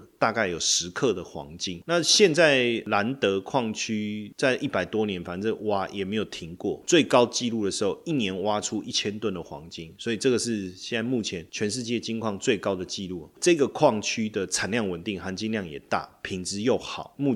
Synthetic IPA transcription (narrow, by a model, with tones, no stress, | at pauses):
t̪a˥˧ka˥˩ɪjo˨˩ʊʂɻ̩˧˦kʰɤ˥˧d̪ə˩xwɑ̰˧˦ŋt͡ɕi˥ŋna˥˧ɕjɛ˥˧nt͡sa˥˩ɪla˧˦nt̪ɤ˧˥kʰwɑ˥˩ŋt͡ɕʰy˦t͡sa˥˧ɪʔi˥˩pa˨˩ɪt̪wɔ˦njɛ˧˦nfa˨˥nd͡zə˨˩wa˨˩jʔɛ̰˨˩me˧˥ɪjo˨˩ʊt̪ʰi˧˥ŋkwɔ̰˥˩t͡swe˥˩ɪkɑ˥ʊt͡ɕi˥˧lu˥˩d̪ə˩ʂɻ̩˧˦˥xo˥˩ʊi˥˩njɛ˧˦nwa˦ʈ͡ʂʰu˦ʔi˥˩t͡ɕʰjɛ˥nt̪wə˥˨nd̪ə˩xwɑ̰˧˦˥ŋt͡ɕi˦˥ŋswɔ˧˥i˨ʈ͡ʂɤ˥˩ɡə˩ʂɻ̩˥˧ɕɕjɛ˥˧na˥˧ɪmu˥˩t͡ɕʰjɛ˧˦nt͡ɕʰɥɛ˧˦nʂ̬ɻ̩˥˧t͡ɕjɛ˥˩t͡ɕi˥ŋkʰwɑ˥˧ŋt͡swe˥˩ɪkɑ˥ʊd̪ə˨t͡ɕi˥˧lṵ˥˩˨ʈ͡ʂɤ˥˧ɡə˨˩kʰwɑ˥˨ŋt͡ɕʰy˥d̪ə˨t͡sʰa˨˩nljɑ˥˩ŋwə˨˩nt̪i˥˨˩ŋxa˧˥nt͡ɕi˥nljɑ˥˩ŋjɛ̰˨˩t̪a̰˥˩pʰi˧˥ŋt͡sɻ̩˧jo˥˩ʊxɑ˨˩˦ʊmu˥˧